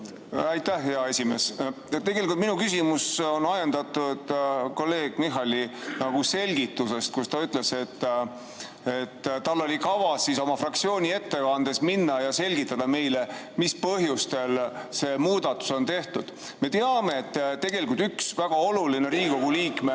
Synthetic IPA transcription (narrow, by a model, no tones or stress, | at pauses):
æjt̪ːæhheɑe̞sʲime̞ːs | t̪eɡe̞likult̪minukysimuso̞nɑjend̪̥ɑt̪ːˑud̪̥ko̞lːe̞ːɡ̥miɦɑlinɑɡ̥use̞lʲɡit̪ːuse̞st̪̚kust̪ɑyt̪ˑle̞se̞t̪ː | et̪ːt̪ɑlːo̞lʲikɑvɑsːiso̞mɑfrɑk̚t̪sio̞ːnʲie̞t̪ːekɑnd̪̥e̞sminːɑjɑse̞lʲɡit̪ːˑɑd̪̥ɑme̞jle | mispɤɦjust̪e̞lse̞ːmuːd̪̥ɑt̪ːˑu̥so̞nt̪e̞ht̪ud̪̥ | me̞t̪eɑme̞ːt̪ːt̪ːe̞ɡ̥e̞likult̪yksvæɡ̥ɑo̞luline̞ɾiːɡiko̞ɡuliːkme